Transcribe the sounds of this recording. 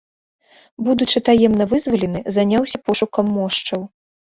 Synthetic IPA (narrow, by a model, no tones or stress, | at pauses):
bud̪ut͡ʂɨt̪ajɛmnɐvɨzvɐlʲɛnɨzanʲawsʲɐpɔʂukɐmːɔʂt͡ʂɐw